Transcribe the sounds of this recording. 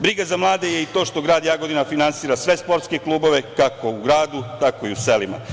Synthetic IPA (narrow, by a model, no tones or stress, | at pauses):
bɾiɡazamlˠaːd̪e̞jeit̪o̞ːʃt̪o̞ɡɾaːd̪jaːɡod̪inafinansiːɾasʋe̞spo̞ɾt̪ske̞klˠuːbo̞ʋe̞kako̞uɡɾaːd̪ut̪ako̞iuselima̰